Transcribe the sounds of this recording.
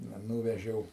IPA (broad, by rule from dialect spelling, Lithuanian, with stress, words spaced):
ˈnɐ ˈnuːʋʲɛʒʲɛʊ